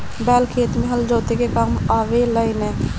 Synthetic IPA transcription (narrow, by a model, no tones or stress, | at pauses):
bɛːlkʰeːt̪mẽɦɐld͡ʒoːt̪ekekamaːʋeləinɛ̃ː